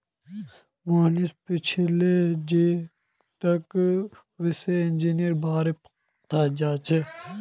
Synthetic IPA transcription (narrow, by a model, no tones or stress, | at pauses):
maːnispɪt͡ʃʰled͡ʒe | t̪ɐk | ʋɪseɪnd͡ʒiːnijəɾbaːɾep | t̪aːd͡ʒaːt͡ʃʰe